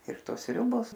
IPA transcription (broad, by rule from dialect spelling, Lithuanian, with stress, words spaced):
ɪr ˈtoːs ˈsʲrʲʊboːs